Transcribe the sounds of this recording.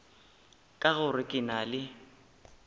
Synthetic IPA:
kʼaɣʊrɪkʼɪnalɪ

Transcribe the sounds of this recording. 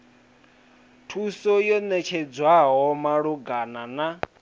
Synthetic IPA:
tʰusɔjɔnɛt͡ʃʰɛd͡zwaɦɔmaɺuɡanana

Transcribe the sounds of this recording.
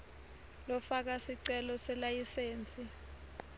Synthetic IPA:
lɔfak̬asiǀɛlɔsɛlajiseːnt͡sʼi

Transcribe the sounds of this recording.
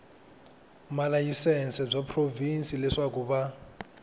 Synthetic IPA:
malajisɛnsɛb͡ʐapʰrovinsilɛʂakuba

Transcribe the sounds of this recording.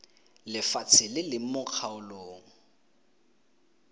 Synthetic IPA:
lɪfat͡sʰɪlɪlɪmʊq͡χʰaʊloːŋ̩

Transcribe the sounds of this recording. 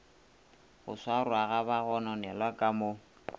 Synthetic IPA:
ɣʊ̰swaɾʊaɣabaɣɔnɔnɛlwakʼamʊ

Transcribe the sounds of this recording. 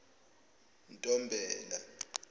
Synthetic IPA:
ntʼɔmbʱɛːla

